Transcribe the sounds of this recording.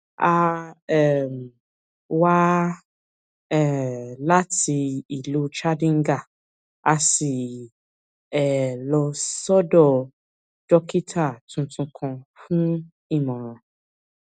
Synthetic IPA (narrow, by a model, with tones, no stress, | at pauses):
a˧ɛ˨m˨ | wa˦ | ɛ˨la˦ti˧i˨lu˨˦t͡ʃa˦dĩ˦ŋ̩˦ɡa˦˨ | a˧si˨ | ɛ˨lɔ˧sɔ˦dɔ˦˨ | d͡ʒɔ˦ki˦tʰa˦˨tũ˧tũ˧kʰɔ̃˧fũ˦ | i˦˨mã˨ɾ̃ã˨